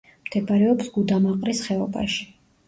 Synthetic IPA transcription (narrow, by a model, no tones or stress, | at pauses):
md̪̥ɛbaɾɛɔpsɡud̪amaqʼɾisχɛɔba̰ʃi̥